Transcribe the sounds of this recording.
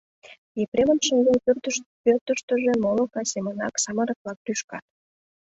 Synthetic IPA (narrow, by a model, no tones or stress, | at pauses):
epɾʲemənʃəŋɡ̪enprt̪pørt̪əʃt̪ə̆ʒĕmolokɑsʲemənɑ̰ksɑməɾək̪̚lɑk̚ryʃkɑt̪̚